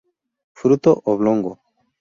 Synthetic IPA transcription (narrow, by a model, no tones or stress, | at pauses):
fɾut̪oʔoβloŋɡo